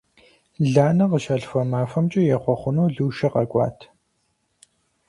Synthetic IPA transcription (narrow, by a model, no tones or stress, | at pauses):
ɮaːnɐqəʃɐɬfɐmaːfɐmt͡ʃʼɪjɛχʷɔχʷʊnuːɮuːʃɐqɐkʷʼɑ̰ːtʰ